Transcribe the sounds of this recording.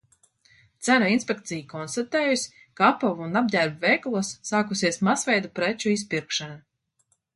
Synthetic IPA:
t̪sænuinsʲpʲek̚t̪sijkɔnst̪at̪eːjusʲ | kaapɔvunab̚dʲæɾbvɛjklˠuɔsːaːkusiɛsmasvɛjd̪upɾɛt͡ʃuis̬piɾkʃana

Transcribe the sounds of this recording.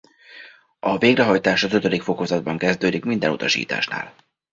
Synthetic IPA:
ɒveːɡrɛɦɒjt̪aːʃɒzøt̪ød̪ikfo̞ko̞zɒd̪̚bɒŋkɛzd̪øːd̪ikmind̪ɛnut̪ɒʃḭːt̪a̰ːʃna̰ːl

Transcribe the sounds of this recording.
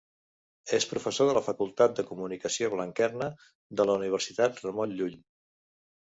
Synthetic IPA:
espɾufəsoðələfəkulˠt̪at̪̚d̪əkumunikəsioβləŋkɛrnə | d̪ələuniβ̞əɾsit̪at̪rəmɔnʎuʎ

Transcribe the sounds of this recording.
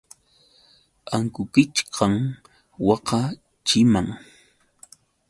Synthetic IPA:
aŋkʊkɪt͡ʃqʰɑŋ | wɑqɑ | t͡ʃɪmaŋ

